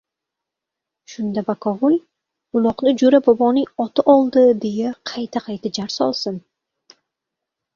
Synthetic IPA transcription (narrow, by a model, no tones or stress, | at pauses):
ʃʊnd̪abakʰɒvʊlʲ | ʊlˠɒqnɪd͡ʒʊɾabɒbɒnɪŋɒt̪ʰaʔɒlˠd̪ɪd̪e̞jaqʰɑjt̪ʰaqʰɑjt̪ʰad͡ʒaɾsɒ̰lˠsɪn